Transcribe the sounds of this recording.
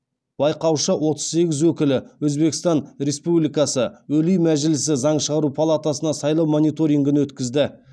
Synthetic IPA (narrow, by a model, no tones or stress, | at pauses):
b̥ɑjqɑwʃəwʔo̞t̪əz̥se̞ɡʲɪzwɵkʲɪlɪwɵzbe̞kʲɪst̪ɑnɾʲe̞spublijkɑsəwɵlijmæʒɪlɪsɪzɑɴʃəʁɑɾupʰalˠat̪asənɑsɑjlˠɑwmo̞nijt̪o̞ɾiŋɡənwɵt̪kʲɪzd̪ɪ